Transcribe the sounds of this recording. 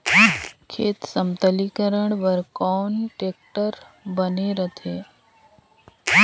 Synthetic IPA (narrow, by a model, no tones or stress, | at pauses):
kʰeːt̪səmt̪əlikəɾəɳʋəɾkɔːnʈeːk̚ʈəɾbəneɾət̪ʰeː